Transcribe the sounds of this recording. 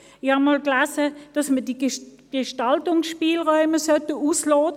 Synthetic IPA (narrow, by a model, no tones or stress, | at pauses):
ɪxhɑmoːlklaːsəd̥ɑsmədi | ɡ̥eʃtɑltʊŋsʃpiːlʁɔʏməsœtəuːslɔːt